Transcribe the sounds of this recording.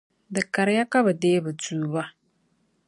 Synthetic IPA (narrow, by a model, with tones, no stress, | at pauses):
dɨ˨ka˨ɾja˦ka˦ba˨deː˦ba˨tuː˨ba˦